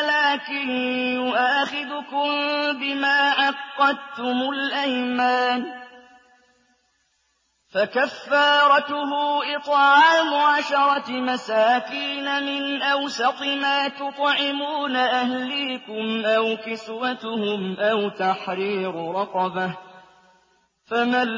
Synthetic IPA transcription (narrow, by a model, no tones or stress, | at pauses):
alaːkɪnjʊʔaːxɪd̪ʊkʊmbɪmaːʕɑqːɑd̪t̪ʊmʊlʔajmaːn | fakafːɑːɾˤɑt̪ʊɦʊːʔɪt̪ˤʕɑːʕʕamʊʕaːʃɑɾˤɑmasaːkiːnamɪnʔawsat̪ˤɪmaːt̪ʊt̪ˤʕɪmuːnaʔahliːkʊmʔawkɪswat̪ʊhʊmʔawt̪aħɾiːɾʊɾˤɑqɑbah | fama